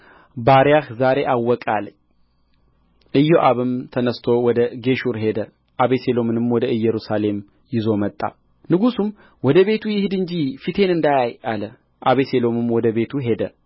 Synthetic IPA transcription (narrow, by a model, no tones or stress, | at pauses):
baɾjahzaɾe̞ʔawːɔkʼalɲ | ʔɨjːoʔaβɨmt̪ʰənəst̪ʰo̞wɔd̪əɡe̞ʃuɾɦe̞d̪ə | ʔaβese̞lo̞mɨnɨmwɔd̪əɨjːɛɾusale̞m | jɪzo̞mət̪ʼːa̰ | nɨɡusum | wɔd̪əβe̞t̪ʰujɪhɨd̪ɨnd͡ʒifit̪ʰe̞nɨnd̪ajajalə | ʔaβeselo̞mɨmwɔd̪əβe̞t̪ʰuɦe̞d̪ə